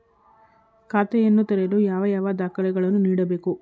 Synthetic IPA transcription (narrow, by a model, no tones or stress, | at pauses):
kaːt̪ɛjɐnːut̪ɐɾelujaːʋɐjaːʋɐd̪aːkɐlɛɡɐɭɐnːuniːɽɐbe̞ːku